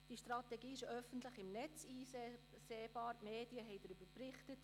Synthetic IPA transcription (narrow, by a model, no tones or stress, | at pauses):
d̥iʃtrɑtɛɡiːɪʃœfəntləχɪmnɛt͡siː | seːb̥ɑːɾmeːd̥iəɦɛɪdɾyb̥əɾprɪχtət